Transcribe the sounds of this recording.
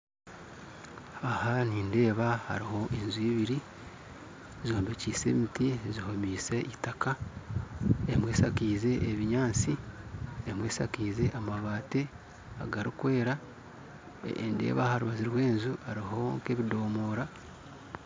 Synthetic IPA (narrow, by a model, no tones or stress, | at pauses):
ahaniːnde̞ːβaha̰ɾiho̞ʔenzuiβiɾi | zoːmbeciːse̞̰mitiezihomiːse̞ʔitaka | emwe̞ːsakiːze̞ʔeβiɲaːnt͡si | emwe̞ːsakiːze̞ʔamaβaːte | a̰ɡaɾikwe̞ːɾa | ḛndḛːβahaɾuβaziɾwe̞ːnzuhaɾiɦo̞ŋke̞βido̞ːmoːɾa